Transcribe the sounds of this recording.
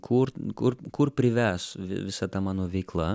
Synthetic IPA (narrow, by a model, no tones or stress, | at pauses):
kʰʊɾkʊɾkʊrpʲɾʲɪʋʲɛsʋʲɪ̰ʋʲɪsɐt̪ɐmɑːnoːʋʲɛɪklˠɐ